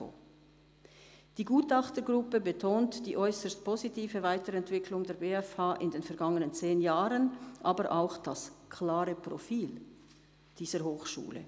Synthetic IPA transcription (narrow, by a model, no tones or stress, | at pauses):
o̰ | d̥iːɡuːtɑχtəɡʁʊpəbətʰoːntd̥iːʔɔʏsəst̚pʰozitʰiːvəvaɪtəɾɛntv̥ɪkʰlʊŋdeːɐbeːɛfhaːʔɪndeːnfɛɐɡɑŋənənt͡seːnjaːʁənʔaːbəɾʔaʊxd̥askʰlaːʁəpʁ̥ofiːl | d̥iːz̥əɾhoːxʃṵːlə̰